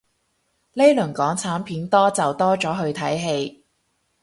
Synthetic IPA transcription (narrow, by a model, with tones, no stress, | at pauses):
le˥lɵ˨˩ŋkɔː˨˥ŋt͡sʰaː˨˥mpʰiː˨˥nt̪ɔː˥t͡sɐ˨wt̪ɔː˥t͡ʃɔː˨˥ɦɵ˧ɥt̪ʰɐ˨˥jɦe˧j